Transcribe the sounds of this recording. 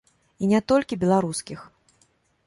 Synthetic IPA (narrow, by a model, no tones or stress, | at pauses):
inʲɛt̪ɔlʲkʲibʲɛlˠaɾuskʲix